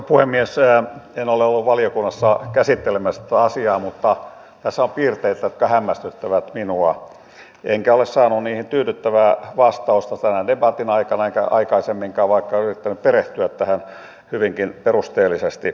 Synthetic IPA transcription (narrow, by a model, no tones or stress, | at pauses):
puhemːiesenoleolːuʋʋɑliokunːɑsːɑkæsit̪ːelemæst̪æɑsiɑːmut̪ːɑ | t̪æsːæompiːrt̪eit̪æjot̪kɑhæmːæst̪yt̪ːæʋæt̪minuɑ | eŋkæolessɑːnunniːhint̪yːtyt̪ːæʋæːʋɑst̪ɑust̪ɑst̪ænændebɑt̪inɑikɑnɑekæɑ̰ikɑisemːiŋkɑːʋʋɑikːɑyrit̪ːænyppereht̪yæt̪t̪æhæn | hyʋiŋkinperust̪eːlːˑisest̪i